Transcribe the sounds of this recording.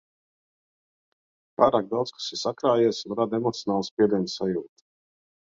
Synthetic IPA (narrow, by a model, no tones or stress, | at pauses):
paːɾaːɡ̚d̪awt̪skḁsisakɾaːjiɛsunɾad̪emɔt̪sʲjɔnaːlˠuspiɛd̪iɛnsajuːt̪